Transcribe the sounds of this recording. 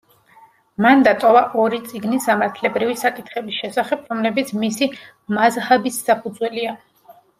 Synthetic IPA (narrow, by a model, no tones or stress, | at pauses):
mand̪at̪ʼɔvaʔɔɾit̪sʼiɡnisamaɾt̪ʰlɛbɾivisakʼit̪ʰχɛbisʃɛsaχɛpʰɾɔmlɛbit̪sʰmisi | mazhabisːapʰud̪zwɛlia